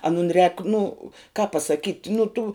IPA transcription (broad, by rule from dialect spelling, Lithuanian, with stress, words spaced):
ɐˈnʊn rʲɛːk nʊ kɑːp pɐsɐˈkʲiːtʲ nʊ tuː